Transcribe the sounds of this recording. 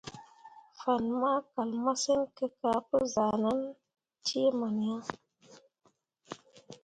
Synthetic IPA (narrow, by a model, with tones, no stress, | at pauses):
fa˨nma˦ka˨lma˦se˦nkə˧ka˨˦pə˦za˨na˦n | te˦ma˨n˨ja˦